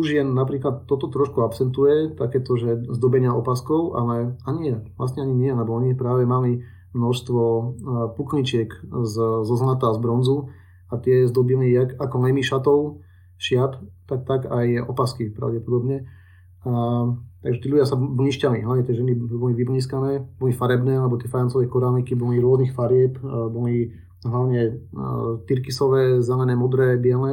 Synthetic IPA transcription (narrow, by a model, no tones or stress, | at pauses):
uʒɪjɛnːapɾiːklat̪ːɔt̪ɔt̪ɾɔʃkuapsɛnt̪ujɛt̪akɛːt̪ɔʒɛzd̪ɔbɛɲɪaʔɔpaskɔʊʔa̰lɛaɲiʋla̰sɲɛaɲiɲɪɛɛlɛbɔɔɲipɾaːʋɛmali | mnɔʃst̪ʋɔpukɲit͡ʃɪɛkzzɔzlat̪azbɾɔnzu | at̪ɪɛzd̪ɔbiliakakɔnɛmiʃat̪ɔʊ | ʃɪapt̪ak̚t̪aɡajɔ̰paskipɾa̰ʊɟɛpɔd̪ɔbɲɛ | at̪aɡʒɛt̪iːʎuɟɪasabliːʃcaliɦlaʊɲɛt̪ɛʒɛnibɔliʋibliːskanɛːbɔlifaɾɛbnɛːalɛbɔt̪ɪɛfajant͡sɔʋɛkɔɾamikibɔliɾʊɔznixfaɾɪɛpbɔli | ɦlaʊɲɛ | t̪iɾkisɔʋɛːzɛlɛnɛːmɔd̪ɾɛːbɪɛlnɛ